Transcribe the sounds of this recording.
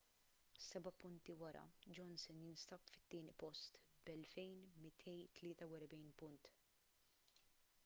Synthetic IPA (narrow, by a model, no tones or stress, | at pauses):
sɛbɐpʊnt̪iwɐɾɐ̰d͡ʒɔnsɪnjɪnst̪ɐpfɪ̥t̪ːɪːnɪpɔst̪bɛlfɛjnmɪt̪ʰɛjt̪lɪːt̪ɐwɛɾbɛjnpʊnt̪